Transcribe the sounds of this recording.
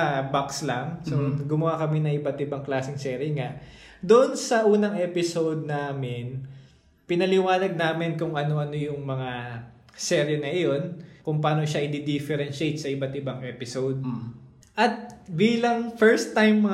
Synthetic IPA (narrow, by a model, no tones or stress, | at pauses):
ɐbakslɐŋsoɡʊmɐwakɐmɪnɐŋʔɪbɐt̪ɪbɐŋklaːsɪŋsɛːɾɪŋaʔd̪oʔonsɐʔuːnɐŋʔɛːpɪsowd̪̚naːmɪn | pɪnɐlɪwaːnɐɡ̚naːmɪnkʊŋʔɐnoʔɐno̞jʊŋmɐŋa | sɛɾjɛnɐʔɪjo̞nkʊŋpaːnoʃaʔɪd̪id̪ifɛɾɛnʃejt̪̚sɐʔɪbɐt̪ʔɪbaŋʔɛpɪsowd̪̚ | ʔɐt̪̚biːlɐŋfɛɹst̪ːajmːɐ